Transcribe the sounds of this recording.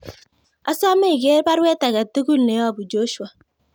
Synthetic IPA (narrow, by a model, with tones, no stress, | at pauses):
a˦sa˦ma˦i˨ɡe˦ba˦ɾwe˦ta˨ɡa˨te˦ɡu˦lne˨˦ɔ˦˨bʊ˨d͡ʒo˦ʃu˦a˨